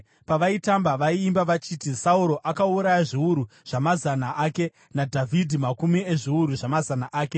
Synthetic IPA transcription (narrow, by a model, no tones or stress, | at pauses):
paʋaitambaʋaiːmbaʋat͡ʃiːtisauɾo̞ʔakauɾajaʐiuɾuʐ̥amazanaʔaːke̞ | nadʱavʱidʱimakumieʐiuɾuʐamazanaʔaːke̞